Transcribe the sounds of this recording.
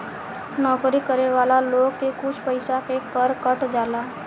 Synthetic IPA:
nɔːkɾikəɾeʋaːlaloːɡ̚kekʊt͡ʃʰpəɪsakekəɾkəʈd͡ʒaːlaː

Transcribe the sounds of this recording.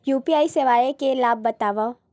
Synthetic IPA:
juːpiaːiseʋaːjekelaːb̚ːɐt̪aːʋa

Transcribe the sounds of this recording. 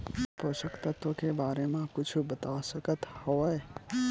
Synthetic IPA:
poʃəkt̪at̪okebaːɾemãkʊt͡ʃʰbət̪asəkət̪hɔe

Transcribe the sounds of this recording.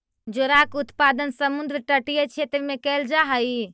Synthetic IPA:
d͡ʒoɾakut̪pad̪ənsəmund̪ɾʈəʈijet͡ʃʰet̪ɾmekɛld͡ʒaɦəj

